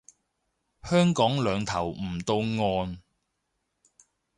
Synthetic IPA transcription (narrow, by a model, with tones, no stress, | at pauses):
hœː˥ŋkɔː˨˥ŋlœː˨˧ŋt̪ʰɐ˨˩wm̩ː˨˩t̪o˧wŋɔː˧n